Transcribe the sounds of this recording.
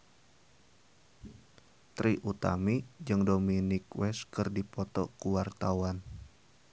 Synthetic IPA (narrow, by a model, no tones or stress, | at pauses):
t̪ɾiʔut̪a̰mid͡ʒɨŋdominikwɛskɨrdipɔt̪ɔ̰kuwart̪awan